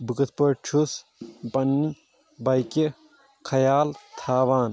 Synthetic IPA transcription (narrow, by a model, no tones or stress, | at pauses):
bɨkɐt̪̚ʰpɐɾt͡ʃʰus | bɐnːi | bɐjke | kʰɐjaːlt̪ʰaːʋaːn